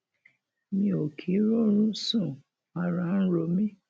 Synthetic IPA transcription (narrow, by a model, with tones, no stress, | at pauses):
mĩ˧o˨kʰi˨˦ɾo˦ɾũ˦sũ˦˨ | a˨ɾã˨˦n̩˦ɾo˧mĩ˦